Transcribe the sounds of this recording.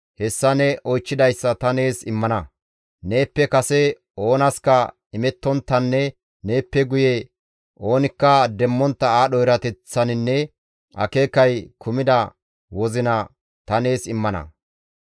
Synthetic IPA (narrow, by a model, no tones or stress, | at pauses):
hɛsːɐnɛʔɔjt͡ʃːɪd̪ɐjsːɐt̪ɐne̞ːsɪmːɐnɐ | ne̞ːpːɛkɐsɛ | o̞ːnɐskɐ | ɪmɛt̪ːɔnt̪ːɐnːɛ | ne̞ːpːɛɡʊjɛ | ʔo̞ːnɪkːɐd̪ɛmːɔnt̪ːɐaːɗɔjɾɐt̪ɛt͡sːɐnɪnːɛ | ʔɐ̰ke̞ːkːɐjkʰʊmɪd̪ɐ | wɔzɪnɐ | t̪ɐne̞ːsɪmːɐnɐ̰